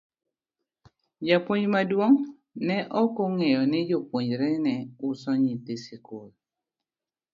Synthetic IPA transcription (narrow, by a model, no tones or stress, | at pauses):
d͡ʒapwoɲd͡ʒmadwoŋ | nɛʔɔkɔŋɛjɔnɪd͡ʒopwoɲd͡ʒɾɛnɛʊsɔɲitesɪkol